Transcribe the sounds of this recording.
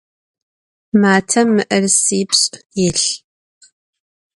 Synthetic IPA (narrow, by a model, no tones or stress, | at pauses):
maːtʰɐmːɨʔɐrsiːpɕʼjɪɬ